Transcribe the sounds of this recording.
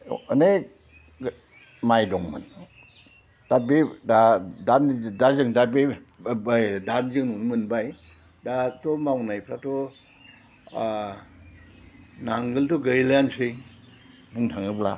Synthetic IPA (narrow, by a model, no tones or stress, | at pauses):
əne | majdɔŋmɯ̰n | d̥abedadandazɯŋdabe | danzɯŋnɔnmɯnbaj | datɔmawnajpʰɾatʰɔ | naŋɡɯltɔɡəjljansɯj | buŋtʰaŋɯbla̰